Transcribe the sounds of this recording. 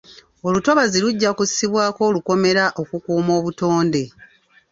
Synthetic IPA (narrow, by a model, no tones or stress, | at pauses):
o̞luto̞βaziluɟːakussiβwaːko̞ːluko̞me̞ɾaʔo̞kukuːmo̞ːβuto̞ːnde̞